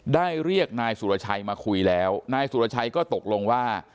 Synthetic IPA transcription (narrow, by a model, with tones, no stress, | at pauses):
daː˥˩jɾi˥˩ək̚naː˧jsu˨˩˦ɾa˧˩t͡ɕʰa˧jmaː˧kʰu˧jlɛː˦˥wnaː˧jsu˨˩ɾa˧t͡ɕʰa˧jkɔː˥˩t̪o˨˩k̚lo˧ŋwaː˥˩